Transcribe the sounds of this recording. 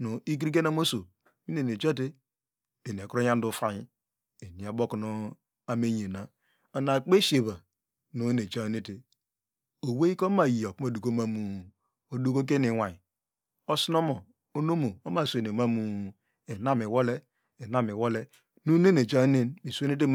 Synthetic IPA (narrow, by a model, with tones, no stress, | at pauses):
no˨i˦k̬i˦k̬e˦na˦mo˦so˨ | mi˦ne˨ne˨d͡ʒa˦te˦ | de˨n˨e˨kɾo˦ja˦n˦du˦fa˦ji˦ | e˨ni˨a˨bo˦kno˦ | a˦me˦ɲe˨na˨ | o˨na˨k͡pe˦ʃe˨βa˨ | no˨˦ne˨t͡ʃa˦ni˦ti˨ | o˨we˦i˦ko˦ma˨ji˨o˨ku˦ma˨du˨ko˦ma˦mu˨ | o˨du˦ko˦k̬e˦ni˨wa˨ɲi˨ | o˦sno˦mo˨ | o˦no˦mo˨o˦ma˦˨sne˨ma˦mu˨ | e˨na˦me˨wo˦le˦ | e˨na˦mi˨wo˦le˦ | nu˦ne˦ne˨t͡ʃa˦ne˦nmi˨so˦ne˦t̬e˦